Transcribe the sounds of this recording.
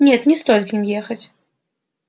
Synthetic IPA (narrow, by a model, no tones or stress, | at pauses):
nʲɛt̪nʲɛst̪ɔlʲt̪ʲimjɛxɐt͡sʲ